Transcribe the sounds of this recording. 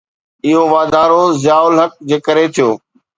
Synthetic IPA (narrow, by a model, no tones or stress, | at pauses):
ɪɦoʋaːd̪ʱaːɾozɪjaːʊlɦək̚d͡ʑeːkəɾet̪ʰijoː